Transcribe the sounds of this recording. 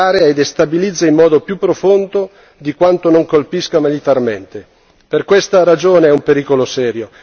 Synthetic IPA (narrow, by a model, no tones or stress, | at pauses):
aːɾeaed̪est̪abilid̪zːaimːɔːd̪opjupːɾofond̪o | d̪ikwant̪onoŋkolpiskamilit̪arment̪e | perkwest̪aɾad͡ʒoːneɛumpeɾiːkolosɛːɾjo